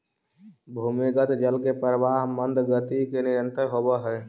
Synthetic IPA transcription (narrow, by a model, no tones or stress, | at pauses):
bʱuːmiɡət̪d͡ʒəlkepəɾəʋaːɦmənd̪ʱɡət̪ikenɪɾənt̪əɾɦobəɦɛː